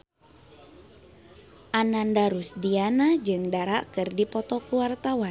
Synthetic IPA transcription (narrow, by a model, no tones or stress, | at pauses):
ʔanandaɾusdianad͡ʒɨŋdaɾaʔkɨrdipɔt̪ɔkuwart̪awan